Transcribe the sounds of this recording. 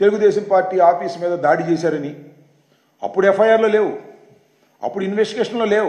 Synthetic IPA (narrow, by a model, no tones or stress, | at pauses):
t̪e̞luɡud̪eːʃɐmpaːɾʈːiːaːpiːsmiːd̪ɐd̪aːɽit͡ʃeːsaːɾɐni | ɐ̰pːuɽepʰɐjaːɾlo̞ːleːwu | ɐ̰pːuɽuinʋesʈiɡeːʂɐnlo̞ːleːwu